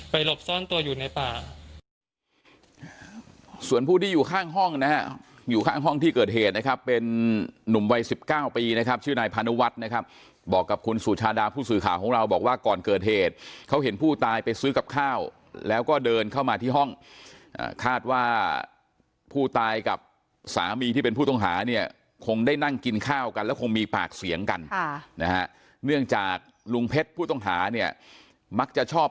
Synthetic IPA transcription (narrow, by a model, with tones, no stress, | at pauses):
pa˧jlo˨˩p̚sɔ˥˩nt̪u˧ɐjuː˨˩na˧jpaː˨˩ | su˨˩ənpʰuː˥˩t̪ʰiː˥˩juː˨˩kʰaː˥˩ŋɦɔ˥˩ŋna˦˥ɦa˦˥ | juː˨˩kʰaː˥˩ŋɦɔ˥˩ŋt̪ʰiː˥˩kɤː˨˩t̪̚ɦeː˨˩t̪̚na˦˥kʰa˦˥pːe˧nːu˨˩mwa˧jsi˨˩p̚kaː˥˩wpiː˧na˦˥kʰa˦˥p̚t͡ɕʰɯː˥˩naː˧jpʰaː˧nu˦˥wa˦˥t̪̚na˦˥kʰa˦˥p̚ | bɔː˨˩kːa˨˩p̚kʰu˧nsuː˨˩t̪̚t͡ɕʰaː˧daː˧pʰuː˥˩sɯː˨˩kʰaː˨˩˦wkʰɔː˩˦ŋɾa˧wbɔː˨˩k̚waː˥˩kɔː˨˩nkɤː˨˩t̪̚heː˨˩t̪̚kʰa˦˥wɦe˩˦npʰuː˥˩t̪aː˧jpa˧jsɯː˦˥ka˨˩p̚kʰaː˥˩w | lɛː˦˥wkɔː˥˩dɤː˧nkʰa˥˩wmaː˧iː˥˩ɦɔ˥˩ŋʔa̰ː˨˩kʰaː˥˩t̪̚waː˥˩ | pʰuː˥˩t̪aː˧jka˨˩p̚ | sa̰ː˩˦miː˧t̪ʰiː˥˩pe˧npʰuː˥˩t̪ɔ˥˩ŋɦa̰ː˩˦ni˥˩ɐ | kʰo˧ŋdaː˥˩jna˥˩ŋki˧nkʰaː˥˩wka˧nlɛː˦˥wkʰo˧ŋmiː˧paː˨˩k̚si˩˦əŋka˧nna˦˥ha˦˥ʔ | nɯ˥˩əŋt͡ɕaː˨˩k̚ | lu˧ŋpʰe˦˥t̪̚pʰuː˥˩t̪ɔ˥˩ŋɦaː˩˦ni˥˩ɐ | ma˦˥k̚t͡ɕa˨˩t͡ɕʰɔː˥˩p̚